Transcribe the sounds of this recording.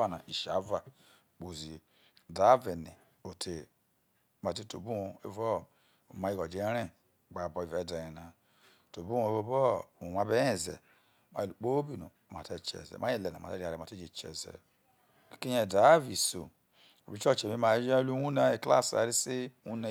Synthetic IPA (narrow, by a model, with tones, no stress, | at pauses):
a˦˨na˨ʔi˨ʃa˨˦va˨ | k͡po˨zi˨ | da˨˦ve˨ne˨ | o˨tʰe˨ | ma˨te˦to˨bu˦o˨e˦vɔ˦˨ | ma˦i˦ɡɔ˨d͡ʒe˨˦ɾɛ˦˨ | ɡ͡ba˨bɔ˨i˨vɛ˨˦da˨je˨na˨ | to˨bu˦õ˧˦o˦vɔ˦˨ũ˨ma˧˦be˦ɛ˦˨zɛ̰˨ | ma̰˦˨lu˨k͡po˦bi˦˨nõ̰˨ma˨te˦t͡ʃɛ̰˨zɛ̰˨ma˦e˦le˨nã̰˨ma̰˨te˦˨a˨ɾe˨ma˨te˦d͡ʒe˨t͡ʃɛ̰˨zɛ̰˨ | ki˦ɲɛ˨da˨˦vi˨so̰˨ | o˨bi˨˦t͡ʃɔ˦˨t͡ʃe˨mi˨˦ma˨˦d͡ʒe˦lu˦u˦na˨e˨kla̰˦˨sa̰˨ɾi˦se˦u˦ne˨